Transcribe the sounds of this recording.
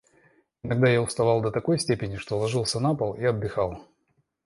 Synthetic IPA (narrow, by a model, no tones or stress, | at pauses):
ɪnɐɡ̚d̪ajaʊst̪ɐvalˠd̪ət̪ɐko̞jsʲtʲepʲɪnʲɪʂt̪o̞lˠɐʐɨlˠsʲənapəlˠiɐd̪̚bɪxalˠ